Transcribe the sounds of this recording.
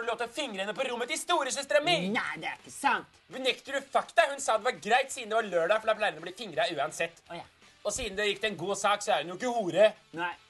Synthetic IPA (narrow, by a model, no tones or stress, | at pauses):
ɛloːt̪əɔfɪŋɾəɛnːəpɔɾʊmːət̪ɪst̪uːɾəs̬ɛst̪ɾɛmːəɾd̪ɛæɪkːəsɑnt̪ | ʋənɛkt̪ʉɾʉfɑkt̪ɑhʉnsɑːd̪ɛʋɑɾɡɾæɪt̪siːd̩̪d̪ɛʋɑɾɭøːɖɑfɔɖɑpʰlɑɪɾənɔbliːfɪŋɾɑʉːɑnsɛt̪ː | ɔsiːd̪n̩d̪ɛjɪkːd̪ɛɛnɡuːsɑːksɔæɾhʉnjʊɪk̬ːəhuːɾə